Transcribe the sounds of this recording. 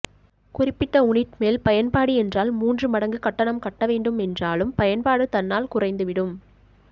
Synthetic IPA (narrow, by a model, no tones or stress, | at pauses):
kʊrɪpːɪʈːɐʊɳɪʈmeːlpɐjɐnpaːɽiɛndraːlmuːndrɯmɐɽɐŋɡɯkɐʈːɐɳɐmkɐʈːɐʋeːɳɖɯmɛndraːlɯmpɐjɐnpaːɽɯt̪ɐnːaːlkʊrɐɪnd̪ɯʋɪɽɯm